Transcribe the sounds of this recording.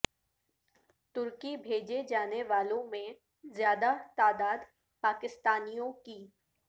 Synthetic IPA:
t̪ʊɾkibʱeːd͡ʒed͡ʒaːneʋaːlõmẽ | zjaːd̪at̪aːd̪aːd̪ | paːkɪst̪aːnijõkiː

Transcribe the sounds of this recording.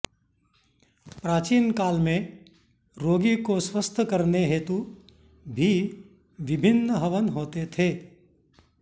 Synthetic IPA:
pɾaːt͡ʃiːnkaːlmẽ | ɾoːɡikoswəst̪ʰəkəɾneɦeːt̪u | bʱi | ʋɪbʱɪnːəɦəʋənɦoːt̪et̪ʰeː

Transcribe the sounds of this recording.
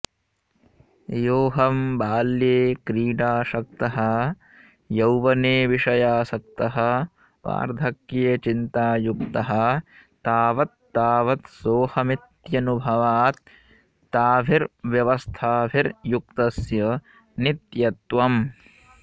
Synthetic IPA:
joːɦɐmbaːljeːkɾiːɖaːʃɐk̚t̪ɐɦɐ | jɐwʋɐneːʋiʃɐjaːsɐk̚t̪ɐɦɐ̆ | ʋa̰ːɾd̪ʱɐkjeːt͡ʃint̪aːjukt̪ɐɦɐ̆t̪aːʋɐt̪ːaːʋɐt̪soːhɐmit̪jɐnubʱɐʋaːt̪̚ː | aːbʱiɾʋjɐʋɐst̪ʰaːbʱiɾjuk̚t̪ɐsjɐ | nit̪jɐt̪ʋɐm

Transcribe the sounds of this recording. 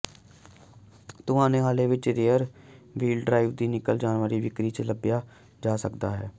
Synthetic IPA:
t̪ʊɦãːnẽːɦaːleːʋɪt͡ʃɾeːəɾʋiːlɖɾaːɪʋd̪iːnɪkəld͡ʒaːnʋəɾiːʋɪkɾiːt͡ʃələbjaː | d͡ʒaːsəkd̪aːɦɛ̰ː

